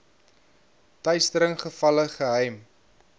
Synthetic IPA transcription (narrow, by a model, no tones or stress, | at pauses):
tœɥstəɾəŋχəfɐləχəɦɛjm